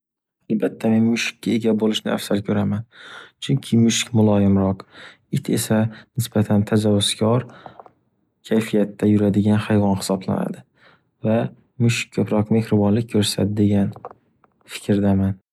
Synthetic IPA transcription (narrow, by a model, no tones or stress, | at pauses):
albat̪ʰːame̞nmʊʃɪ̥kʲːae̞ɡʲabolɪʃnɪa̰fsalkʲʰɵɾamant͡ʃʰʊŋkʲʰɪmʊʃɪ̥kʲmʊlˠɒjɪmɾɒq | ɪt̪ʰe̞̰sanɪsb̥at̪ʰant̪ʰazawːʊskʲʰɒɾ | kʲʰajfijat̪ʰːajʊɾad̪ɪɡʲanhajvɒnhɪ̥sɒbla̰na̰d̪ɪ | va | mʊʃɪ̥k̚ʲkʰɵpɾɒqme̞kʲɾʊbɒnlɪk̚ʲkːʰɵɾsa̰d̪ɪd̪e̞ɡʲan | fɪ̥kʲɾd̪aman